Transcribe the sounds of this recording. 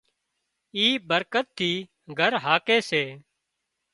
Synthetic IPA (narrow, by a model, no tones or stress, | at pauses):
iːbəɾkət̪ʰːiː | ɡʱəɾɦaːkeːseː